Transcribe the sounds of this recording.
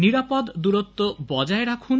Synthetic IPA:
niɾapɔd̪d̪uɾot̪ːobɔd͡ʒaeɾakʰun

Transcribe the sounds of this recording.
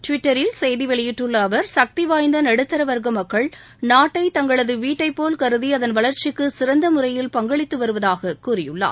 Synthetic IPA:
ʈʋɪʈːɐɾɪlsɛjðiʋɛɭɪjɪʈːɯɭːɐːʋɐɾsɐk̚t̪iʋaːjnd̪ɐnɐɽɯt̪ːɐɾɐʋɐɾɣɐmɐkːɐɭ | naːʈːɐɪt̪ɐŋɡɐɭɐðɯʋiːʈːɐɪpːoːlkɐɾɯðiɐðɐnʋɐɭɐɾt͡ʃɪkːɯsɪɾɐnd̪ɐmʊɾɐjɪlpɐŋɡɐɭɪt̪ːɯʋɐɾɯʋɐðaːɣɐkuːrɪjɯ̰ɭːa̰ː

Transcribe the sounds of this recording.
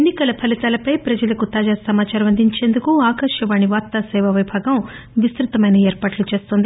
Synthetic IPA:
enːikɐlɐpʰɐlit̪aːlɐpɐjpɾɐd͡ʒɐlɐkut̪aːd͡ʒaːɾsɐmaːt͡ʃaːɾɐmɐnd̪ʱiɲt͡ʃe̞ːnd̪ukuaːkɐɾʂjɐʋaːɳiʋaːt̪ːɐsɛːʋɐʋɐjbʱaːɡɐm | ʋist̪ɾut̪ɐmɐjnɐeːɾpaːʈlut͡ʃe̞ːst̪ond̪i

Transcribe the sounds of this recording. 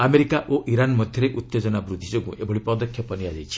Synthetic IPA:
ameɾikaʔoʔiɾanmɔd̪ʱjɔɾeʔut̪ːed͡ʒɔnabɾud̪ʱːid͡ʒokũʔebʱɔɽipɔd̪ɔkʰːjɔpɔniad͡ʒajt͡ʃʰi̥

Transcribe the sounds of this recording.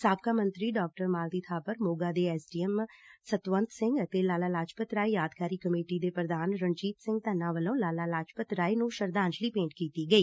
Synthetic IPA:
saːb̚kaːmə̃nt̪ɾiːɖaːk̚ʈəɾmaːlt̪iːt̪ʰaːpəɾmoːɡaːd̪eːɛːsɖiːɛmsət̪ʋə̃nt̪sɪ̃ŋɡt̪eːlaːlaːlaːd͡ʒpət̪ɾaːiːjaːd̪kaːɾiːkəmeːʈiːd̪eːpɾəd̪aːnɾənt͡ʃiːt̪sɪ̃ŋɡ̚t̪ənːãːʋəlõːlaːlaːlaːt͡ʃpət̪ɾaːinũːʃəɾd̪ãːnt͡ʃliːpẽːɳʈkiːt̪iːɡəiː

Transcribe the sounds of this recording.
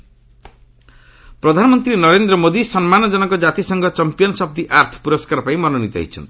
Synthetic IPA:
pɾɔd̪ʱanɔmɔnt̪ɾinʌɾend̪ɾɔmod̪isɔnmanɔd͡ʒɔnɔkɔd͡ʒat̪isɔŋɡɔt͡ʃɔmpijɔnsʌb̚d̪iʔaɾt̪ʰɔ̥puɾɔskaɾpaĩmɔnɔnit̪ɔɦḭt͡ʃʰʌ̰nt̪i̥

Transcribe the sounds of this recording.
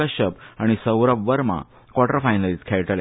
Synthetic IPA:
əɕəp̚aɽ̃isəwɾəʋʋəɾma̰ | kwaʈəɾfajnəliːt̪kʰeɭʈle

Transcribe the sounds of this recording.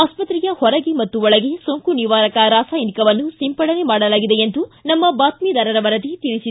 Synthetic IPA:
aːspɐt̪ɾijɐhɔɾɐɡemɐt̪ːuɔɭɐɡesoŋkuniʋaːɾɐkɐɾaːsaːjnikɐʋɐnːusimpɐɽɐne̞maːɽɐlaːɡid̪e̞end̪unɐmːɐbaːt̪mid̪ɐɾɐɾɐʋɐɾɐd̪it̪iɭisi

